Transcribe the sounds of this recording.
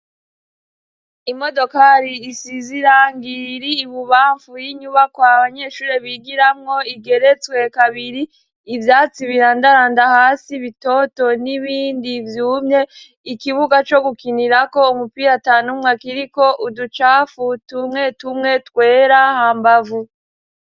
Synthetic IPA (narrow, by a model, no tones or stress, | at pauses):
imo̞do̞kaɾiːsiziɾaːŋɡiɾiːβuβaːɱfujiɲuβakwaβaɲe̞ʃuːɾeβiɡiɾamŋo̞iɡe̞ɾe̞t͡swe̞kaβiɾiː | vjaːt͡siβiɾaːndaɾaːndahaːsiβito̞to̞niβiːndivjuːmɲe̞ | ikiβuɡat͡ʃo̞ɡukiniɾako̞umupiːɾataːnumŋakiɾiko̞ʔudut͡ʃafutumŋe̞tumŋe̞twe̞ːɾahaːmbavu